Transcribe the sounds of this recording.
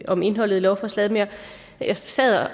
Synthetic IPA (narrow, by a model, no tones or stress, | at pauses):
ɒ̽me̝nɦɒ̽l̰ð̩ˠlɒʊfɒslɛðˠmjɑ | jɑ̈sɛð̰ˠ